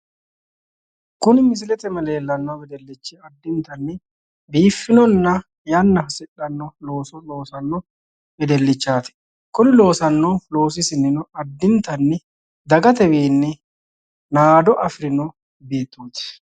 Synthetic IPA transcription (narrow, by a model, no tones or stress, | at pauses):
kʊnɪmɪs̬ɪlɛt̪ɛmɐle̞ːlːɐnːɔbɛd̪ɛlːɪt͡ʃːɛɐd̪ːɪnt̪ɐnːɪ | biːfːɪnɔnːɐ | jɐnːɐsɪᶑːɐnːɔlo̞ːsɔlo̞ːsɐnːɔ | bɛd̪ɛlːɪt͡ʃːaːt̪ɪ̥ | kʊnɪlo̞ːsɐnːɔlo̞ːs̬ɪsɪnːɪnʊɐd̪ːɪnt̪ɐnːɪ | d̪ɐɡɐt̪ɛbiːnːɪ | naːd̪ɔʔɐfɾɪnɔ | be̞ːt̪ːoːt̪ɪ̥